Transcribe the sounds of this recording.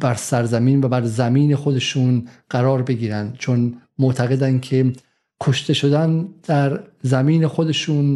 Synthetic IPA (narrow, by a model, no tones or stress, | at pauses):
bæɾsæɾzæmiːnvæbæɾzæmiːne̞xo̞d̪e̞ʃuːnɢ̥æɾɒːɾbe̞ɡiːɾænd̪t͡ʃʰonmoʔt̪ʰæɣe̞d̪ænkʰe̞ | kʰoʃt̪ʰe̞ʃo̞d̪ænd̪̥æɾzæmiːnexo̞d̪e̞ʃuːn